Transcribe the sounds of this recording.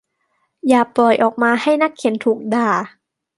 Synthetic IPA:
jaː˨˩pɔː˨˩jʔɔː˨˩k̚maː˧ha˥˩jna˦˥kʰːie˩˦nt̪ʰuː˨˩k̚daː˧˩

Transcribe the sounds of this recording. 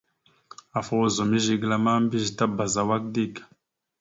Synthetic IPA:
a˨fo˦wo˦zo˨mi˦ʒi˦ɡla˦ma˦m˦bi˦ʒi˨ta˦ba˨za˨wa˦k̚di˦˨kḁ˨

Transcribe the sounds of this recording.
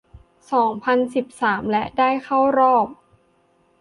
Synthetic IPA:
sɔː˩˦ŋpʰa˧nsi˨˩p̚saː˩˦mlɛ˦˥ʔdaː˥˩jxʰa˥˩wɾɔː˥˩p̚

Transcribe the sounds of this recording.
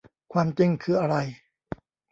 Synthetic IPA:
kʰwaː˧mt͡ɕi˧ŋkʰɯː˧ʔa˧ɾa˧j

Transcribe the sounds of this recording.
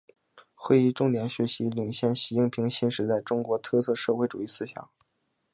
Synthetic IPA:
xwe˥ɪi˥˧ʈ͡ʂʊ˥˧ŋt̪jɛ˧˥nɕɥɛ˧˥ɕi˧˥li˨˩ŋɕjɛ˥˩nɕi˧˥i˥˩ŋpʰi˧˥ŋɕi˥nʂɻ̩˧˥t͡sa˥˩ɪʈ͡ʂʊ˥ŋkwɔ˧˥t̪ʰɤ˥˧t͡sʰɤ˥˧ʂɤ˥˧xwe˥˩ɪʈ͡ʂu˨˩i˥˩sɹ̩˥ɕjɑ̰˨˩˦ŋ

